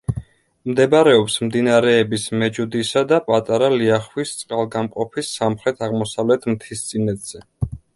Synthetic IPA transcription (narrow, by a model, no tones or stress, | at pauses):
md̪ɛbaɾɛɔpsmd̪inaɾɛːbismɛd͡ʒud̪isad̪apʼat̪ʼaɾaliaχwist̪sʼqʼalˠɡamqʼɔpʰisːamχɾɛt̪ʰaʁmɔsavlɛt̪ʰmt̪ʰist̪sʼinɛd̪z̥ɛ